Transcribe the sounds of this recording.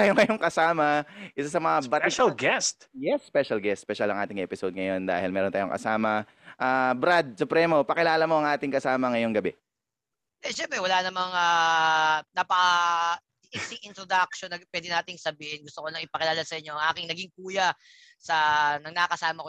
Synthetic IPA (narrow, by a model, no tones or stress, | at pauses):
aːjoŋɐjoŋkɐsaːmɐʔɪsasɐmɐŋabɐt̪ʃɐlɡɛst̪jɛsːpɛʃɐlɡɛst̪spɛʃɐlɐ̰ŋʔaːt̪ɪŋʔɛpɪsod̪̚ŋɐjo̞nd̪a̰ːhɪlmɛːɾont̪aːjoŋkɐ̰saːmɐ | ʔabɾad̪̚sʊpɾɛmopɐkɪlaːlɐmo̞ʔɐŋʔaːt̪ɪŋkɐsaːmɐŋɐjoŋɡɐbɛ | ɛʃɛmpɾɛwɐlanɐmɐŋaː | nɐpɐ | ʔisɪŋɪnt̪ɾod̪ak̚ʃonːɐpwɛd̪ɪnaːt̪ɪŋsɐbiːhɛnɡʊst̪okonɐŋɪpɐkɪlaːlɐsɐʔɪɲoʔɐŋʔaːkɪŋnɐɡiŋkuːjɐ | sɐnɐŋnɐkɐsaːmɐko